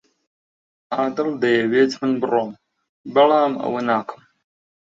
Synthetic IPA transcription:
aːd̪ɐld̪ɐjɐweːt͡sħənbɨroːm | bɐlaːmɐ̰wənaːkʰɨ̥m

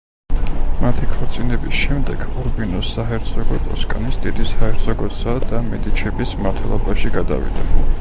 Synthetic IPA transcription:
mat̪ʰikʰɔɾt̪sʼinɛbisʃɛmd̪ɛɡuɾbinɔsːaɦɛɾt̪zʰɔɡɔt̪ʼɔskʼanisd̪id̪ishaɛɾt̪sʰɔɡɔsad̪amɛd̪it͡ʃʰɛbismaɾt̪ʰwɛlˠɔbaʃiɡad̪a̰vḭd̪a̰

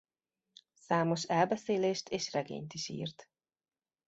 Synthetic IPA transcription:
saːmo̞ʃɛlbɛseːleːʃt̪ʰeːʃrɛɡḛːɲt̪iʃḭːrt̪

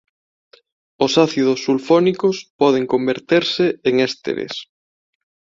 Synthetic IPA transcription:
ʊsaθiðʊsːulfɔnikospɔðeŋkombeɾt̪eɾsɪeŋɛst̪ḛɾḛs

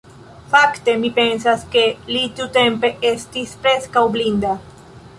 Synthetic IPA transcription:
fakt̪e̞mipe̞ns̬aske̞lit̪iut̪e̞mpe̞e̞st̪ispɾe̞skawblind̪a

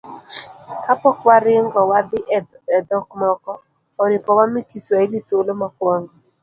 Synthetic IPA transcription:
kapɔkwaɾɪŋɡɔwad̪ɪʔɛd̪ɔkmɔkɔ | ɔnɪpɔwamikisailitolomakwɔŋɡɔ

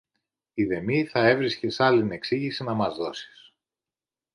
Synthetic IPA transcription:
iðe̞miθɐe̞vɾisce̞sɐline̞ksiʝisinɐmɐzðo̞si̥s

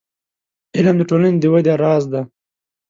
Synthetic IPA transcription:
ɪlamd̪əʈolaned̪əwad̪eaɾɑːzd̪a

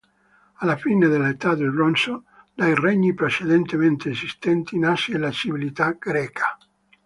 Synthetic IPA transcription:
alafined̪elːaet̪ad̪ebɾonso | d̪ajreɲːipɾet͡ʃed̪ent̪ement̪eːzist̪ɛnt̪iːnasielat͡ʃivilit̪aɡ̥ɾɛːkʰḁ

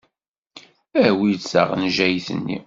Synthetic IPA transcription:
æwisə̰ʁnʒæjθə̰nːḭ

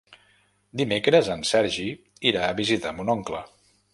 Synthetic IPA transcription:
d̪imekɾəzənsɛɾʒi | iɾaəβizit̪amunɔŋklə

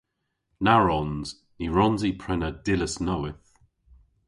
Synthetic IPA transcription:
naɹɔnz̥ | niɹɔnzipʰɹɛnəd̥ɪləsnɔwɪθ

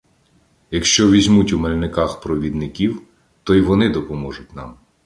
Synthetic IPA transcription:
jɐkʃt͡ʃɔʋʲizʲmutʲumelʲnɪkɑxpɾɔʋʲid̪nɪkʲiw | t̪ɔiʋɔnɪd̪ɔpɔmɔʒʊt̚ʲnɑ̰m

